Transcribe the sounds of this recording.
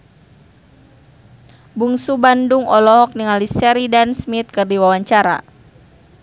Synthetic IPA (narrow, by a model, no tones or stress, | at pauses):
buŋsubanduŋɔlɔɦɔk̚niŋalisɛɾidansmit̪̚kɨrdiwawaɲt͡ʃaɾa̰